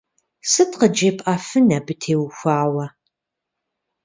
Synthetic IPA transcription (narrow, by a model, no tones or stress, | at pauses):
sɨtqəd͡ʒeːpʼʔɐfɨnɐbɨtʰeːwxʷaːwɐ